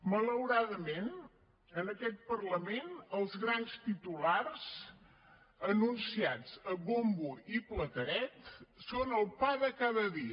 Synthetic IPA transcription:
mələwɾaðəmen | ənəkɛt̪̚pərləmenəlˠzɣɾanst̪it̪ularz̥ | ənunsiad͡zəbombuiplət̪əɾɛt̪sonəlˠpaðəkaðəðiə

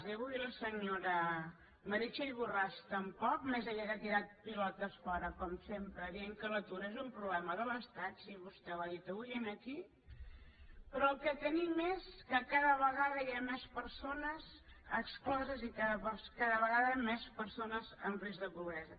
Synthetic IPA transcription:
ziəβujləsəɲoɾə | məɾit͡ʃəiβurast̪əmpɔk̚mezəʎakət̪iɾat̪̚pilɔt̪əsfɔɾəkɔmsempɾəðieŋkələt̪uɾəezumpɾuβlɛməðələst̪at̪siβust̪ɛwaðit̪əβujənəki | pɾɔəlˠkɛt̪ənimeskəkaðəβ̞əɣaðəiamɛspəɾsonəzəksklɔzəzikaðəpəskaðəβəɣaðəmɛspəɾsonəzənrizðəpuβɾɛzə

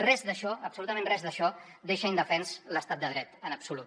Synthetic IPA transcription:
rɛzd̪əʃɔəpsulut̪əmẽnrɛzðəʃɔ | d̪eʃəind̪əfɛnzləst̪at̪̚d̪əð̞ɾɛt̪ənəpsulu

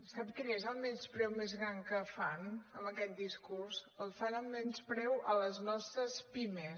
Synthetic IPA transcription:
sapkinezəlˠmɛnspɾɛwmezɣɾaŋkəfanəməkɛt̪̚d̪iskurzəlˠfanəlmɛnspɾɛwʔələznɔst̪ɾəspime

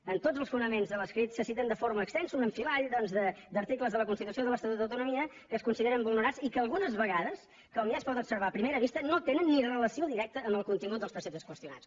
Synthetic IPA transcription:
ənt̪od͡zəlˠsfunəmenzðələskɾit̪səsit̪ənd̪əfoɾməːkst̪ɛnsunəɱfilaɾiðɔnzðəd̪əɾt̪ikləzðələkunst̪it̪usioðəlˠəst̪ət̪ut̪dəwt̪unumiə | kəːskunsiðeɾəmbulˠnəɾasikəːlˠɣunəzβəɣaðəs | kəɔmjaspɔðənupsəɾβaəpɾimeɾəβist̪ənot̪enənːirələsioðiɾɛk̚t̪əːmbəlˠkunt̪iŋɡut̪̚əlˠspɾəsɛp̚t̪əskwəst̪ijuna̰s

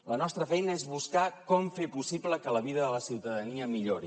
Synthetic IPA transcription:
lənɔst̪ɾəfɛjnəezβuskakɔmfepusibləkələβiðəðələsiwt̪əðəniəmiʎoɾi

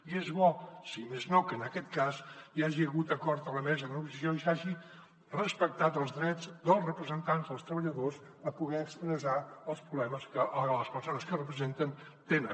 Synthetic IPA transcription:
iezβɔsimeznokəːnəkɛt̪kaziaʒiəɣut̪əkɔɾt̪ələmɛzəðənəɣusəsioisaʒi | rəspək̚t̪at̪əlˠzðɾɛd͡zd̪əlˠzrəpɾəzənt̪anzðəlˠst̪ɾəβəʎəðos | əpuɣɛəkspɾəzaəlˠspɾuβlɛməskələspəɾsonəskərəpɾəzent̪ən | t̪enə

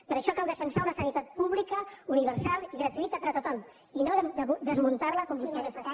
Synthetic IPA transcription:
pəɾəʃɔkalˠd̪əfənsaunɐsənit̪at̪̚puβlikəuniβəɾsalˠiɣɾət̪uit̪əpəɾət̪ot̪ɔm | inod̪əzmunt̪aɾləkɔmbust̪ɛ

